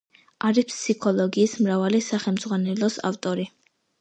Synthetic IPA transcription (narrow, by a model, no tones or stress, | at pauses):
aɾipʰsikʰɔlˠɔɡiːsmɾavalisaχɛlmd̪z̥ʁwanɛlɔsa̰ft̪ʼɔɾi